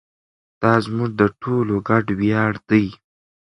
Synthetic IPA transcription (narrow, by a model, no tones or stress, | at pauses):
d̪̥ɑzmuʐd̪əʈʰoloɡaɖwjɑɽd̪əj